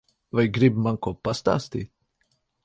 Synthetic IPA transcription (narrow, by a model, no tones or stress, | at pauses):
vajɡɾɪbmaŋkɔpːast̪a̰st̪it̪̚